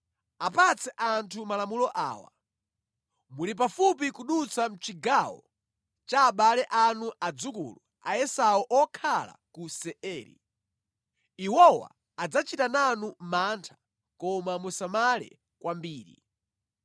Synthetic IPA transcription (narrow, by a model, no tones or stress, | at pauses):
apat͡sʰɛʔantʰumalamulɔʔa̰ːwa̰ | mulip̬afup̬ikuɗut͡sam̩t͡ʃiɡawɔ̰ | t͡ʃaːɓalɛʔanuʔad͡zukṵlu | a̰ɛsaɔʔɔkʰala̰kusɛɛːɾḭ | iwɔwa̰ | ad͡zat͡ʃitananumantʰḁ | kɔmamusamalɛ̰ | kwambiːɾḭ